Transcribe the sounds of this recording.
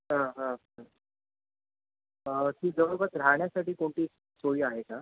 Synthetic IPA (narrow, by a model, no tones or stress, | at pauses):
ɦãɦã | kiːd͡zəʋəɾbət̪ɾaɳjasaʈiːkoɳʈiː | soɭiːaɦeka